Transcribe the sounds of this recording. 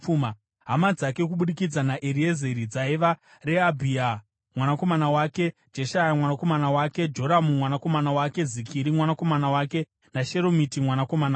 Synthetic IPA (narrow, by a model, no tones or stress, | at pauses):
uma | ɦamad͡zake̞k̬uɓuɗikid͡zanaʔeɾie̞zeɾid͡zaiʋa | re̞abʱia | mwanako̞manawaːke̞d͡ʒe̞ʃajamwanako̞manawake̞d͡ʒoɾamumwanako̞manawake̞zikʰiɾimwanako̞manawake̞ | naʃe̞ɾo̞mitimwanako̞mana